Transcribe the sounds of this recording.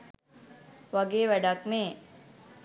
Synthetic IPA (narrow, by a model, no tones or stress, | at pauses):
ʋaɡeːʋɛɖakneː